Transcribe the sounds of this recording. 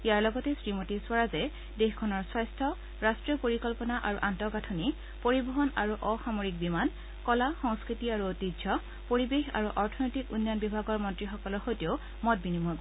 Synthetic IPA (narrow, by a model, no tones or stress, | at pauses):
ijaɹlɔɡɔtɛsɹimotiswaɹazɛ | dexkʰɔnɔɹswajstʰɔ | ɹastɹijɔpoɹikɔlpɔnaʔaɹuʔantɔkatʰoni | poɹibɔɦɔnaɹuʔɔxamoɹik̚biman | kɔlaxɔŋskɹitiaɹuotid͡ʒʱɔ | poɹibexa̰ɹuʔɔɹtʰɔnojtikunːjɔnbibʱaɡɔɹmɔntɹixɔkɔlɔɹxojtioʊ | mɔt̚binimu